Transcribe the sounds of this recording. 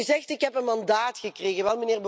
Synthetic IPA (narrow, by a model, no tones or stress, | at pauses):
yzɛxtɪkɦɛpənmɑndaːtxəkreːɣəʋɛlˠməneːrb